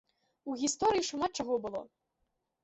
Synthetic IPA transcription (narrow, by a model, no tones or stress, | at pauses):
uɣʲist̪ɔɾɨjiʂumat̪̚t͡ʂaɣɔbɨlˠɔ̰